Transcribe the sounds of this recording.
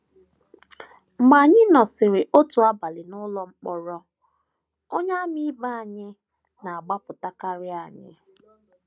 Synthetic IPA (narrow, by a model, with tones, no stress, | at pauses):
ma˨ɲɪ˦nɔ˨sɪ˨ɾɪ˨ʔo˦tu˨a˦ba˨lɪ˨nʊ˦lɔ˦ŋ͡m̩˦k͡pɔ˨ɾɔ˦ | o˦ɲa˦mi˦ba˦a˨ɲɪ˦ | na˨a˨ɡ͡ba˦pʊ˨ta˦ka˦ɾɪ˦a˨ɲɪ̰˦